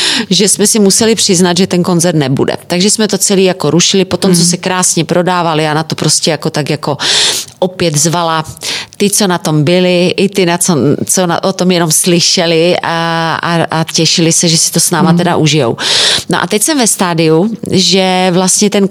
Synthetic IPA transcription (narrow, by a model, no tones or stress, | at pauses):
ʒɛsmɛsɪmusɛlɪpr̝̥ɪznad̪ʒɛt̪ɛnko̞nzɛɾt̪nɛbṵdɛ̰t̪aɡʒɛsmɛt̪o̞t͡sɛliːjako̞ɾuʃɪlɪpot̪omt͡sos̬ɛkɾaːsɲɛpɾʔo̞daːvalɪanat̪o̞pɾo̞scɛjako̞t̪akjako̞ʔopjɛd̪zvalat̪ɪt͡so̞nat̪ombɪlɪʔɪt̪ɪnat͡sot͡sona̰ʔot̪o̞mjɛno̞mslɪʃɛlɪaa̰acɛʃɪlɪsɛʒɛsɪ̥t̪o̞snaːmat̪ɛdaʔuʒɪjo̰wnoʔa̰t̪ɛcsɛmvɛst̪aːdɪjuʒɛvlast̪ɲɛt̪ɛn